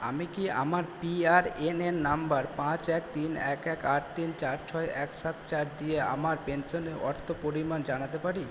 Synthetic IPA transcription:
a̰mikia̰maɾpiaɾenenːambaɾpãt͡ɕɛkt̪inɛkɛkaʈ̚t̪int͡ɕaɾt͡ɕʰɔeɛkʃat̪ʰt͡ɕaɾd̪iea̰maɾpensoneɾɔɾt̪ʰopoɾimand͡ʑanat̪epaɾi

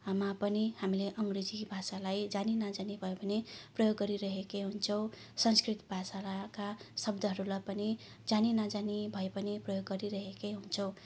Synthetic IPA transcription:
amapʌnihamileʔʌŋɡred͡zibʱasalajd͡zaninʌd͡zanibʱʌjobʱʌneprʌjoɡːʌɾiɾʌɦekeɦunt͡sʰʌw̃ | sʌnskrit̪bʱasalakasʌbd̪ʱʌɦʌɾulapʌni | d͡zaninʌd͡zanibʱʌepʌniprʌjoɡːʌɾiɾʌɦekeɦunt͡sʰʌw̃

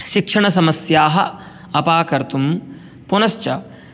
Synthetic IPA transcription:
ʃikʂɐɳɐsɐmɐsjaːɦɐ̰ | ɐpaːkɐɾt̪um | punɐʃt͡ʃɐ

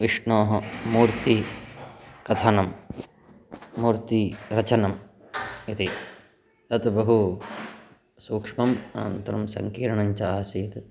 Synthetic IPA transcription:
ʋiʂɳoːɦɐmuːɾt̪i | kɐt̪ʰanɐm | uːɾt̪iɾɐt͡ʃɐnɐm | it̪i | t̪ɐt̪bɐɦu | suːkʂmɐmɐnɐ̰nt̪ɐɾɐmsɐ̰ŋkiːɾɐɳɐɲt͡ʃɐːɦɐsiːt̪

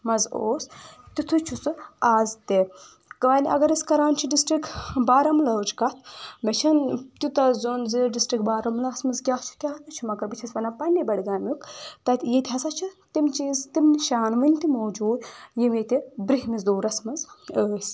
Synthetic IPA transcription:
mɐzoːst̪it̪ʰut͡ʃʰusɨaːzt̪e | kɐʋɐnʲɐ̰ɡɐɾiskɐɾaːnt͡ʃʰiɖisʈɾikbaːɾɐmlɐd͡ʒkɐt̪ʰbɐt͡ʃʰɐnt̪ut̪ɐzoːnzɨɖisʈɾikbaːɾɐmlɐːsmɐzɡʲaːt͡ʃʰu̥t̪ʲaːɦnɐt͡ʃʰumɐkɐɾbit͡ʃʰɐsʋɐnapɐnʲːibɐɽɡaːmʲukt̪ɐt̪ʲjit̪ʲɦɐsat͡ʃʰɨt̪imt͡ʃiːzt̪imniʃaːnʋɨnʲt̪imoːd͡ʒuːd̪jimit̪ibɾiɦmizd̪oːɾɐsmɐzəːsʲ

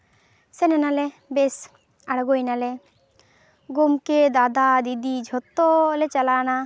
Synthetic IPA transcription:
sɛnɛnalɛ | bɛs | aɽɡojnalɛ | ɡomked̪ad̪ad̪id̪id͡ʒʱɔt̪ːɔlɛt͡ʃalana

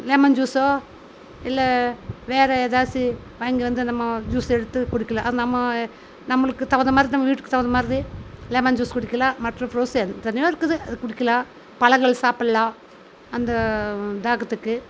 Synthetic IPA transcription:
leːmɐnd͡ʒuːsoː | ɪlːɐʋeːɾɐeːðaːsi | ʋaːŋɡiʋɐnd̪ɯnɐmːɐd͡ʒuːsɛɽɯt̪ːɯkʊɽɪkʲːɐlãːʔɐðɯnɐmːɐ | nɐmːɐɭɯkːɯt̪ɐʋɐnd̪ɐmaːd̪ɾinɐmːɐʋiːʈːɯkːɯ̥t̪ɐʋɐnd̪ɐmaːd̪ɾileːmɐnd͡ʒuːskʊɽɪkːɐlãːmɐʈrɐ̃pɾoːsɛnt̪ɐnɐjoːɪɾɯkːɯðɯɐðɯkʊɽɪkʲːɐlãː | pɐɭɐŋɡɐɭsaːpɐɽɐlãː | ɐnd̪ɐd̪aːɣɐt̪ːɯkːɯ

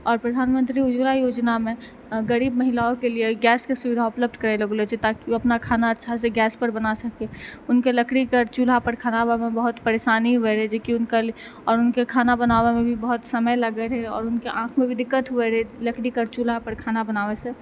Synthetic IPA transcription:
ɔːɾpɾəd̪ʱaːnmə̃nt̪ɾiʊd͡ʒlajoːd͡ʒnamẽ | ɡəɾiːbməɦɪlaokelieɡɛːskesʊʋɪd̪ʱaʊpləb̚d̪ʱkəɾeləɡlet͡ʃʰet̪akiɐpnakʰaːnaətːʃʰaseɡɛːspəɾbənasəkeʊnkeləkɽikəɾt͡ʃulɦapəɾkʰaːnabamẽbəɦʊt̪pəɾeːʃaːniɦʊeɾɛd͡ʒekiʊnkal | ɔːɾʊnkekʰaːnabənawemẽbʱibəɦʊt̪səməjləɡəɾɦɛɔ̰ːɾʊnkeʔãːkʰmẽbʱid̪ɪkːət̪ɦʊeɾeləkɽikəɾt͡ʃulapəɾkʰaːnabənaːwesẽ

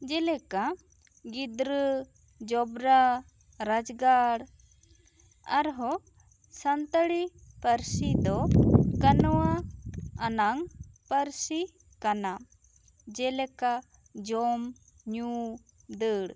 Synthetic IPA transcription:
d͡ʒɛlɛka | ɡid̪ɾə | d͡ʒɔbɾa | ɾad͡ʒɡaɽ | a̰ɾɦɔ | sənt̪əɽipəɾsid̪ɔkənɔwaː | naŋpəɾsi | kana | d͡ʒɛlɛka | d͡ʒɔm | ɲu | d̪əɽ

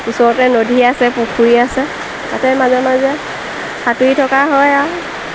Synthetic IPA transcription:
usɔɹɔtɛnodʱiasɛpukʰuiasɛ | tatɛmazɛmazɛ | xatuitʰɔkaɦɔja

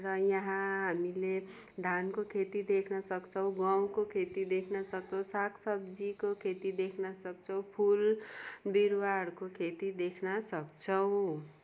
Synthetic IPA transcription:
rʌjʌɦãɦamile | d̪ʱankokʰet̪id̪ekʰnʌsʌkt͡sʰʌw̃ɡaw̃kokʰet̪id̪ekʰnʌsʌk̚t͡sʰʌw̃sakʰsʌbd͡zikokʰet̪id̪ekʰnʌsʌk̚t͡sʰʌw̃pʰulbiɾwaɽkokʰet̪id̪ekʰnʌsʌkt͡sʰʌw̃

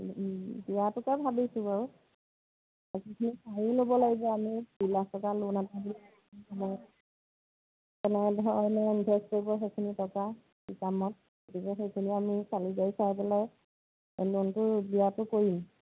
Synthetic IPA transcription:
diwatɔkabʱabisʊ̃baɹu | ekʰikʰinisʰaɹilobɔlaɡibɔamidilastɔkalonatabila | amɔ | kɛnɛdɔnɛbʱɛskɔjbɔxekʰinitɔka | sikamɔt̚ | ɡotikɛxejkʰiniamisalizajsajpɛlaj | lontʊbiwatʊkoɹim

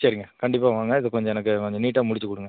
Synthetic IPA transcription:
t͡ʃaːɾɪŋɡɐkɐɳɖɪp̬ːaːʋaːŋɡɐɪðɐkɔɲd͡ʒɔ̃ɛnɐkːɯkɔɲd͡ʒɔniːʈːãːmʊɽɪt͡ʃːɯkʊɽɯŋɡɐ

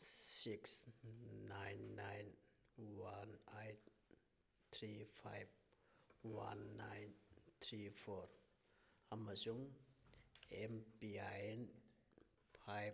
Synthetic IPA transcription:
siksnajnːajn | wanajt̪ | t̪ʰɾifʰajb̚ | wa̰nːajnt̪ʰɾifɔɾ | amazuŋ | embiajn | fʰaj

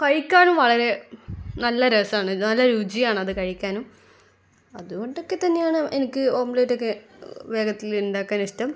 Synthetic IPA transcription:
kɐɻikʲːaːɳumʋɐɭɐɾe̞nɐlːɐɾɐsaːɳɨnɐlːɐɾuːd͡ʑijaːɳɨɐðɨkɐɻikʲːaːnum | ɐðuɣo̞ɳɖo̞kːe̞t̪ɐnːe̞jaːɳɨʔenikʲːɨoːmbleːʈːokːeʋe̞ːɡɐt̪ːiluɳɖaːkːaːniʂtɐm

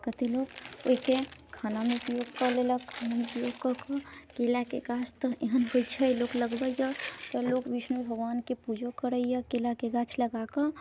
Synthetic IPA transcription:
kət̪eloɡo̰ikekʰanamẽupjoɡkəleləkʰaːnamẽpɾjoːɡkəkəkelakeɡat͡ʃt̪əeɦənɦojt͡ʃʰəjlokləɡbəjət̪ɔlokʋisnubʱəɡʋaːnkepud͡ʒokəɾəijəkelakeɡat͡ʃʰləɡakə

